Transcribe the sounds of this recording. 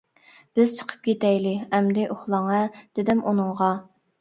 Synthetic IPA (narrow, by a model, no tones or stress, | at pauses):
b̥ɪz̥t͡ʃʰə̥qʰə̥p̚kʲet̪ɛjlɪɛmd̪ɪʔoχlˠɑŋɛd̪̥ɪd̪ɪmʔunɨŋʁɑ